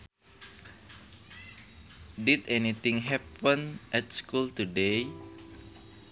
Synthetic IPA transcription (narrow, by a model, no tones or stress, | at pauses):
ditɛnit̪ĩŋɦɛpə̃nʔɛtskultude